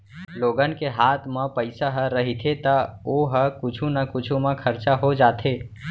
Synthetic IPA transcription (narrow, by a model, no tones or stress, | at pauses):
loːɡənkeɦaːt̪ʰmãpəɪsaɦəɾəɦit̪ʰet̪əoɦəkʊt͡ʃʰũnəkʊt͡ʃʰumãkʰəɾt͡ʃaɦod͡ʒaːt̪ʰeː